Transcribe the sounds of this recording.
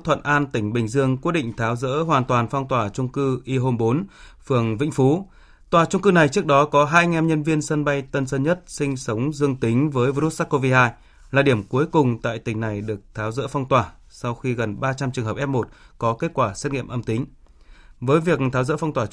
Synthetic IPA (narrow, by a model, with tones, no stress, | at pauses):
t̪ʰwə̰˧˨nʔaː˧nt̪ï˧˩ŋ̟ɓï˨˩ŋ̟zɨ˧əŋkwi˦˥ɗḭ˧˨ŋ̟t̪ʰaː˨˦wzə̰ː˧˥ɦwaː˨˩nt̪waː˨˩nfa˧wŋ͡mt̪waː˨˩t͡ɕʊ˧ŋ͡mkɨ˧ʔi˧ɦo˧mɓo˨˦n | fɨ˨˩əŋvḭ˧˥ŋ̟fu˨˦ | t̪waː˨˩t͡ɕʊ˧ŋ͡mkɨ˧na˨˩jt͡ɕɨ˦˥ək̚ɗɔ˨˦kɔ˨˦ɦaː˧jŋɛ˧mɲə˧nvi˧ənsə˧nɓa˧jt̪ə˧nsə˧nɲə˦˥t̚sï˧ŋ̟sə˨˦wŋ͡mzɨ˧əŋt̪ï˨˦ŋ̟vəː˨˦jvi˧ɾu˦˥t̚sa˦˥ko˧vi˧haː˧j | laː˨˩ɗi˧˩əmku˨˦əjkʊ˨˩ŋ͡mt̪a̰ː˧˨jt̪ï˧˩ŋ̟na˨˩jɗɨ˨˩ək̚t̪ʰaː˨˦wzə̰ː˧˥fa˧wŋ͡mt̪waː˨˩ | sa˧wxi˧ɣə˨˩nɓaː˧t͡ɕa˧mt͡ɕŋɦə˨˩pʔɛ˦˥p̚mo˨˩t̚kɔ˨˦ke˦˥t̚kwaː˧˩se˦˥t̚ŋḭ˧˨əmʔə˧mt̪ï˨˦ŋ̟ | vəː˨˦jvi˨˩ək̚t̪ʰaː˨˦wzə̰ː˧˥fa˧wŋ͡mt̪waː˨˩